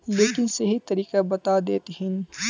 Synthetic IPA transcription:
leːkɪnsɐɦit̪ɐɾiːkabɐt̪ad̪eːt̪ɦɪn

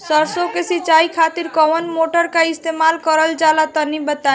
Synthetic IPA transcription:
səɾsokesit͡ʃaikʰat̪iɾkɔwənmoʈəɾkaist̪emalkəɾəld͡ʒalat̪ɔnibət̪a

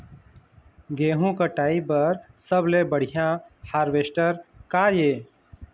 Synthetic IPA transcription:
ɡeːɦũkəʈaːibəɾsəblebəɽ̤ijãhaːɾʋesʈəɾkajeː

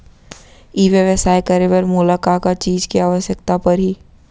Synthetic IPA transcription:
iːʋjəʋəsaːekəɾeʋəɾmʊlakakat͡ʃiːd͡ʒkiaːʋəʃjəkt̪apɐɾɦiː

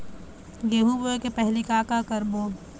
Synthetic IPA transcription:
ɡeːɦuboekepɛɦlikaːkakəɾboː

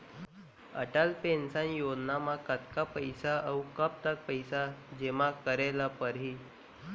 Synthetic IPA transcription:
ə̰ʈalpensanjonamakət̪kapəjsaʔəwkap̚t̪ak̚pəjsad͡ʑemakəɾelapəɾɦi

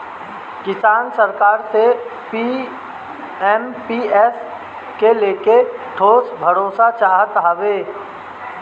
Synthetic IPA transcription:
kɪsaːnsəɾkaːɾsepi | ɛmpiɛs | keleːkeʈʰoːsbʱəɽoːsat͡ʃaːɦət̪ɦaːʋeː

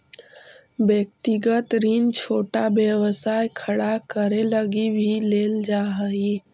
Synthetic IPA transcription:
bjək̚t̪iɡət̪ɾint͡ʃʰoːʈabjəwəsaːjkʰəɽakəɾeləɡibʱileːld͡ʒaːɦəi

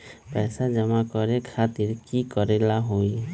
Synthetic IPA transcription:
pɛjsad͡ʒɔmakɔɾɛkʰat̪iɹkikɔɾɛlaɦoj

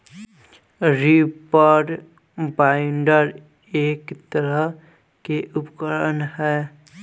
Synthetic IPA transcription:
ɾipaɖ | baɪɳɖəɾ | eːkt̪əɾə | keʔʊpkəɾənhɛː

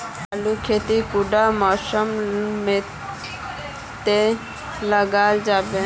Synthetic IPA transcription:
alukʰet̪ikuɖamɔʃɔmme | t̪e | ləɡad͡ʒabe

